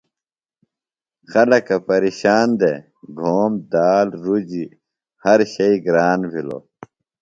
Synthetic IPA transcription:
xɐlɐkɐpɐɾiːɕaːnd̪ḛ | ɡʱoːmd̪aːlɾud͡ʑi | hɐɾɕɐiɡɾaːnbʱilo̰

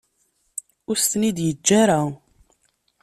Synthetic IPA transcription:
ʊɾst̪ənid̪jəd͡ʒːaɾa

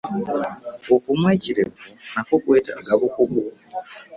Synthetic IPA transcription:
okumwet͡ʃiɾeponakokweta̰aɡaβukuku

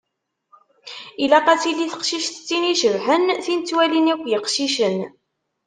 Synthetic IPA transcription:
ilæqæt͡siliθə̥qʃiʃθə̥t͡sːiniʃəvħənθint͡sːwælinækʷːjəqʃiʃən

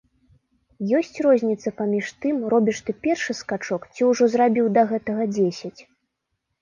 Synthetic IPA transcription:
jɔsʲt͡sʲrɔzʲnʲit̪sɐpamʲiʂt̪ɨmrɔbʲiʂt̪ɨpʲɛrʂɨskat͡ʂɔkt͡sʲiwʐɔzɾabʲiwd̪ɐɣɛt̪ɐɣɐd͡zʲesʲɐt͡sʲ

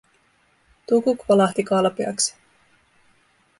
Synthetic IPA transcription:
t̪ukukʋɑlɑht̪ikɑlpeɑ̰ksi̥

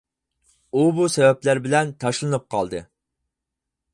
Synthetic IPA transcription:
ubusɛvɛplæɾbɪlɛnt̪ʰɑʃlˠɨnɨp̚qʰɑlˠd̪ɨ

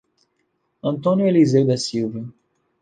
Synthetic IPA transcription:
ɐ̃nt̪õnjuelizewd̪ɐsilvɐ

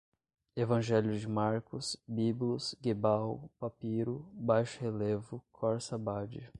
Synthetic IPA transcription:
evɐ̃ʒɛljʊd͡ʒɪmaɾkʊsbiblʊsɡebawpapiɾʊbajʃʊhelevʊkʰɔɾsabad͡ʒɪ

